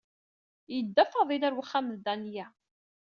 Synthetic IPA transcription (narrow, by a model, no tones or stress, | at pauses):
jəd̪ːæfɑðˤilæɾwəχːæmðd̪ænjæ